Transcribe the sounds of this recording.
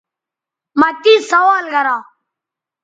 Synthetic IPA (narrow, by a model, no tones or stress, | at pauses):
makiːsəʋaːlɡəɾaː